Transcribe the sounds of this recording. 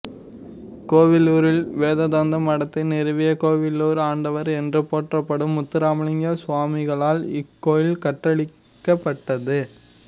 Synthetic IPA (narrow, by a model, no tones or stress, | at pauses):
koːʋɪluːɾɪlʋeːðɐd̪aːnd̪ɐmɐɽɐt̪ːɪnɪɾɯʋɪjɐkoːʋɪlːuːɾaːɳɖɐʋɐɾɛndrɯpoːʈrɐpːɐɽɯmːʊt̪ːɪɾaːmɐɭɪŋɡɐsʊʋaːmɪɣɐɭaːlɪkːoːjɪlkɐʈːɐɭɪ | kːɐpːɐʈːɐðɯ